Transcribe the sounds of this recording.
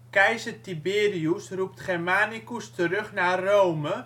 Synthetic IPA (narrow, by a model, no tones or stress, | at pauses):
kɛjzətibeːɾiusrup̚tχɛrmaːnikustəɾɵχnarowmə